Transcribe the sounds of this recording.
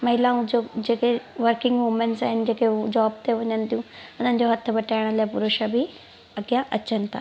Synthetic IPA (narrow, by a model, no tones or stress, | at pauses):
mɐɦɪlãũd͡ʑod͡ʑeːkeʋəɾkɪ̃ŋɡmuːmẽɳʈsaːɦɪnɪd͡ʑeːked͡ʑaːb̚t̪eʋɐɲənɪt̪ʰijũʊn̤ənɪ̆d͡ʑoɦɐt̪ʰːəbɐʈʰaːɪɽ̃əlapʊɾʊʃəbʱi | ɐɡjaʔɐ̰t͡ɕənɪ̆t̪ʰa̰ː